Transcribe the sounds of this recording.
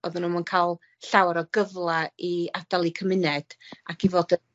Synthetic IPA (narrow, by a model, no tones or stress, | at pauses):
oðʊnumankʰalˠ | ɬawɾɔɡəvlˠaiad̥alˠikʰəmɪnɛd̥akivoːdə